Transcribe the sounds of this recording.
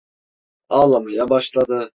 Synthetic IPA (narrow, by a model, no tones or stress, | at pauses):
ɑlˠamɯjabɑʃlˠɑd̪ɯ